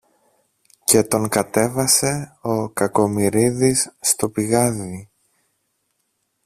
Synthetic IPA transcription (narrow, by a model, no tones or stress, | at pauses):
ce̞t̪o̞ŋkɐt̪e̞vɐse̞o̞kɐko̞miɾiðisːt̪o̞piɣɐði